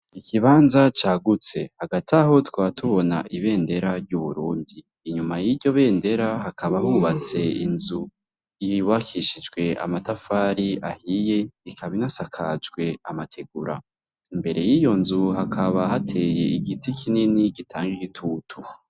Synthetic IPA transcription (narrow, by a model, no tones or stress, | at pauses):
ikʰiβaːnzat͡ʃaːɡut͡se̞haɡatʰaɦo̞twaːtʰuβo̞na̰ʔiβe̞ːnde̞ɾaɾɟuβuɾuːndiːɲumajiɾɟo̞βe̞ːnde̞ɾaɦakʰaβahuβat͡se̞inzu | iwakʰiʃid͡ʒɡwe̞ʔa̰matafaːɾiʔahije̞ikʰaβinasakʰa̰d͡ʒɡwe̞amatʰe̞ɡuɾa̰ | imbe̞ɾe̞jijo̞nzuhakʰaβahatʰe̞ːje̞iɡitikʰininiɡitʰaːŋɡiɡitʰuːtʰu